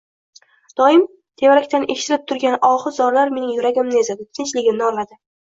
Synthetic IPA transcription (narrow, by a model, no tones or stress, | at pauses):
d̪̥ɒɪm | t̪ʰe̞vaɾakʲt̪ʰanʔe̞ʃɪt̪ʰɪɾɪp̚t̪ʰʊɾɡʲanɒχɨzɒɾlaɾme̞nɪŋjʊɾaɡʲɪmnɪezad̪ɪt̪ʰɪnt͡ʃlɪɡʲɪmnɪɒlad̪ɪ